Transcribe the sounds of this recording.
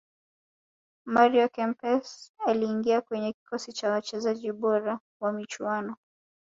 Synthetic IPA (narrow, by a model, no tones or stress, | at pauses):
maɾiɔkɛmpɛsaliːŋɡiakwɛɲɛki̥kʰɔsit͡ʃawat͡ʃɛzaʄiɓɔɾa | wamit͡ʃuanɔ